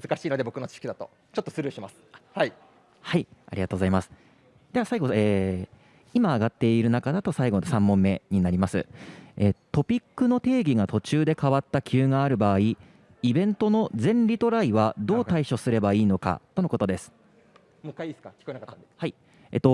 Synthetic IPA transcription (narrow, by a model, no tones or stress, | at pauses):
mɯzɨkaɕiːnod̪ebo̞kɯnot͡ɕi̥ɕkʲid̪at̪o̞̰ | t͡ɕot̪ːosɨɾɯːɕimasɨ̥hai | haia̰ɾʲiɡat̪oɡo̞zaimasɨ̥ | d̪̥e̞βasaiɡo̞eː | imaːɡat̪ːe̞iɾɯ̟nakad̪at̪o̞saiɡo̞nosãmːõ̞mːe̞ɲ̟inaɾʲimasɨ̰et̪o̞pʲikːɯ̟no̞t̪e̞ːɡʲiɡat̪o̞t͡ɕɨːd̪e̞kaβat̪ːakʲʰɨːŋaːɾɯ̟baːi | ibẽ̞nt̪o̞no̞zẽ̞nɾʲit̪o̞ɾaiβad̪o̞ːt̪aiɕo̞sɨɾe̞baiːno̞ka̰t̪ono̞ko̞t̪o̞d̪e̞sɨ̥ | mɯkːaiesɨ̥kakʲi̥koenakat̪ːad̪ehai | ḛt̪o̞